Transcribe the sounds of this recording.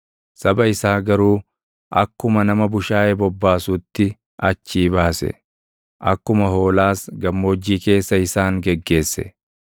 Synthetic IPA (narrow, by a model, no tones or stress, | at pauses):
sɐbɐɪsaːɡɐɾuː | ʔɐkːʊmɐnɐmɐbʊʃaːʔebɔbːaːsʊt̪ːɪ | ʔɐt͡ʃːiːbaːsɛ̰ | ʔɐkːʊmɐɦo̞ːlaːsɡɐmːoːd͡ʒːiːke̞ːsːɐɪsaːŋɡɛɡːe̞ːsːɛ̰